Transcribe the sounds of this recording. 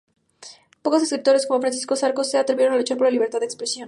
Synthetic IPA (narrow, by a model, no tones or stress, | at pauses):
po̞ko̞se̞skɾit̪o̞ɾe̞sko̞mofɾansisko̞saɾkoseat̪ɾeje̞ɾo̞nalut͡ʃaɾp̬o̞ɾlaliβ̞eɾt̪aðekspɾesjo̞n